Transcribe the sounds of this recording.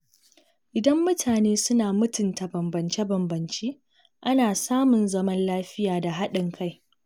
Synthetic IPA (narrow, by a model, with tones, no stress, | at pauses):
ʔɪ˨dɐ˦mːʊ˦tʰaː˨neː˦sʊ˦naː˨mʊ˦tʊ˨nta˨bɐ˨mbɐ˨nt͡ʃe˦bɐ˨mbɐ˨nt͡ʃeː˦ | ʔa˦naː˨saː˦mʊ˨nzɐ˦mɐ˦nlaː˦ɸɪ˦jaː˨da˨ɦa˦ɗɪ˨ŋkʰa˦j